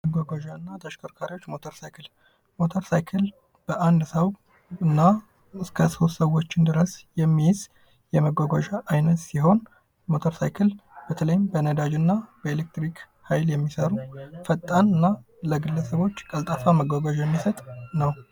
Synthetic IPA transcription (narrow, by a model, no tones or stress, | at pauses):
məɡʷaɡʷaʒanːat̪ʰəʃkʰoɾkʰaɾiwot͡ʃːmo̞t̪ʰəɾsajkʰɨl | mo̞t̪ʰəɾsajkʰɨl | b̥əʔand̪səw | ɨnːa | ɨskʰəso̞t̪səwːo̞t͡ʃːɪnd̪ɨɾəsjɛmːijz | jɛməɡʷaɡʷaʒaʔːjnət̪siɦo̞n | mo̞t̪ʰəɾsa̰jkʰɨlb̥ət̪ʰələjɪmbənəd̪ad͡ʒɨnːab̥əelek̚t̪ɾik | hajljɛmːisəɾufət̪ʼːanɨnːa | ləɡɨlːəsəβo̞t͡ʃːkʼəlt̪ʼafaməɡʷaɡʷaʒjɛmːisət̪ʼnəw